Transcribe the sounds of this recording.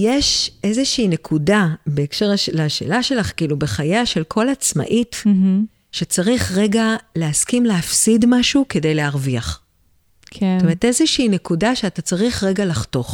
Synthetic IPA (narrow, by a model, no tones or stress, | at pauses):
jeʃe̞zeʃiːne̞kʰudabe̞ːkʃeʁaʃlaʃe̞̰ːlaʃe̞laχkiːlubeχajaʃe̞lkʰo̞lat͡sma̰ʔit | ʃet͡saʁiχʁe̞ɡaleaskimleafsidmaʃukede̞jleaʁviaχ | kʰeotomeete̞zeʃiːnekudaʃeatat͡saʁiχʁe̞ɡalaχto̞χ